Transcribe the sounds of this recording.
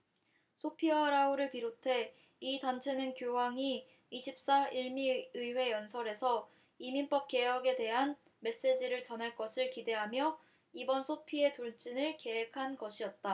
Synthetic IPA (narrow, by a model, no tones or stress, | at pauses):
sʰopʰiʌɾauɾɯɭpiɾotʰe̞ | itant͡ɕʰe̞nɯnkjoɦaŋiː | ɕʰip̚s͈aiɭmiɯiwe̞jʌnsʰʌɾe̞sʰʌ | iminp͈ʌp̚k͈e̞jʌɡe̞de̞ɦan | me̞s͈e̞d͡ʑiɾɯɭt͡ɕʌnɦaɭk͈ʌsʰɯɭkide̞ɦamjʌ | ibʌnsʰopʰie̞toɭt͡ɕ͈inɯɭke̞ɦekʰanɡʌɕʰijʌt̚t͈a